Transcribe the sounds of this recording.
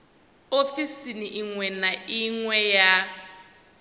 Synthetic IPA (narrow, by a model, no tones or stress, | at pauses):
ofisiniʔiŋwɛnaiŋwɛja